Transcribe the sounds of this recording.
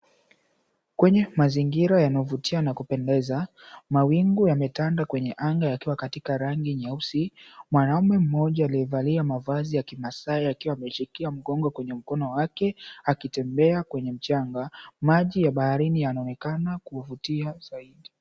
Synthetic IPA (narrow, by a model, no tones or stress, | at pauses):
kwɛɲɛmaziŋɡiɾajanaɔvutianakupɛndɛza | mawiŋɡujamɛtandakwɛɲɛʔaŋɡajakiwakatikaɾaŋɡiɲausimwanaumɛm̩mɔʄaːliɛvaliamavazijakimasaiakiwaːmɛt͡ʃikiam̩ɡɔŋɡɔkwɛɲɛm̩kɔnɔwakɛakitɛmbɛakwɛɲɛm̩t͡ʃaŋɡamaʄijaɓahaɾinijanaɔnɛkanakuvutiazaiɗi